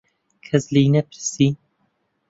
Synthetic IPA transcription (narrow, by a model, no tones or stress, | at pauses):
kʰɐzliːnɛpʰɨɾsi